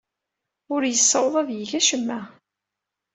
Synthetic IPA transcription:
ʊɾjəsˤːəwðˤɑðjəʝæʃəmːæ

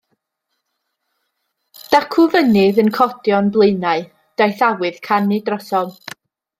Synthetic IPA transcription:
d̥akʰʊvənɪðənkʰɔdjɔnblˠɨnaɨ | d̥ajθawɨð̥kʰanɨdrɔsɔlˠ

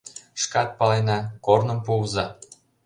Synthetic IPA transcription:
ʃkɑt̪̚pɑlejnɑkornə̆mpuzɑ

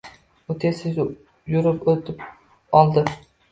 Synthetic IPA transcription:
ʊt̪ʰesɪ | jʊɾɪpot̪ʰɪp | ɒlˠd̪ɪ

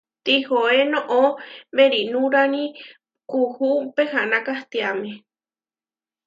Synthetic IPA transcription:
t̪ihoenõʔõmbeɾinũɾanĩ | kuhupehãnãkaht̪iamẽ

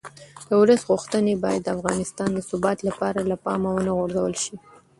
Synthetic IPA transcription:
d̪̥əwɾəsɣʊxt̪ənebɑjad̪ːafɣɑnɪst̪ɑnd̪əsʊbɑt̪lapɑɾalapɑmawənaɣoɾzawəlʃi

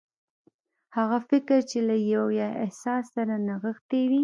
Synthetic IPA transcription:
haɣafɪkɾt͡ʃelajawjaɪhsɑsːaɾanaɣəxt̪ewi

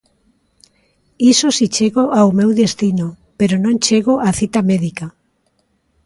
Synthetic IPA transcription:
isosit͡ʃeɣoʔawmewðest̪ino | peɾonõŋt͡ʃeɣoʔaθit̪ameðika

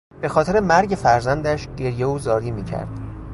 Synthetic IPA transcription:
b̥e̞xɒːt̪ʰeɾe̞mæɾɟe̞fæɾzænd̪æʃɟe̞ɾje̞uːzɒːɾiːmiːcʰæ̰ɾd̪̥

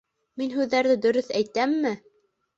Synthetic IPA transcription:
minɦʉðːæɾðɘd̪ɵ̆ɾɵθæjt̪æmːɘ

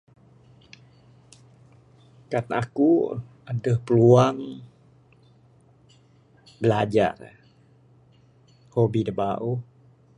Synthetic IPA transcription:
kana̰ku | adəhpəluaŋ | bəlad͡ʒa̰r | hobidəbaʔu

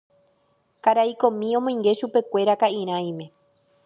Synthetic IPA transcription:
kaɾajkõ̞mĩõmõĩŋɡe̞ʃupe̞kʷe̞ɾakaĩɾ̃ãj̃mẽ̞

